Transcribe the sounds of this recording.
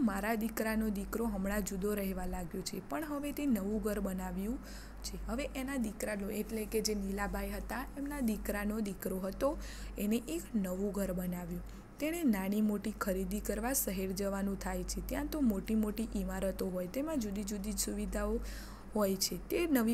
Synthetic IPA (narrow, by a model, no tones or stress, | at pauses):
maɾad̪ikɾanod̪ikɾoɦəmɽad͡ʒud̪oɾəɦeʋalaɡjot͡ʃʰepəɳɦəʋet̪enəʋũɡʱəɾbənaʋjũ | t͡ʃʰeɦəʋeʔenad̪ikɾanoeʈleked͡ʒenilabʱajɦət̪aemnad̪ikɾanod̪ikɾoɦət̪o | eneʔeknəʋũɡʱəɾbənaʋjũ | t̪eɽ̃enaɽ̃imoʈikʰəɾid̪ikəɾʋasəɦeɾd͡ʒəʋanũt̪ʰajt͡ʃʰet̪jãt̪omoʈimoʈiʔimaɾət̪oɦojt̪emãd͡ʒud̪id͡ʒud̪id͡ʒsuʋid̪ʱao | ɦojt͡ʃʰet̪enəʋi